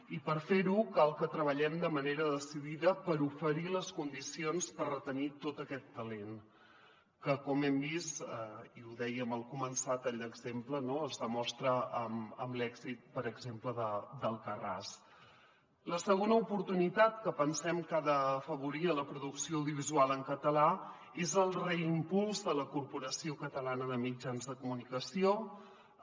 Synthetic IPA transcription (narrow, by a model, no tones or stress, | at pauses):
ipəɾfeɾukalˠkət̪ɾəβəʎɛmd̪əməneɾəðəsiðiðəpəɾufəɾiləskund̪isionspərrət̪ənit̪ot̪əkɛt̪ːəlen | kəkɔmɛmbisəiuðɛjəməlˠkumənsat̪aʎd̪əɡzemplənoəzðəmɔst̪ɾəəməmblɛɡzit̪̚pəɾəɡzempləðəd̪əlˠkəra̰s | ləsəɣ̞onəupuɾt̪unit̪at̪kəpənsɛmkaðəfəβuɾiələpɾuðuksioːwðiuβizualˠəŋkət̪əla | ezəlˠrəimpulˠzðələkuɾpuɾəsiokət̪əlanəðəmid͡ʒanzðəkumunikəsio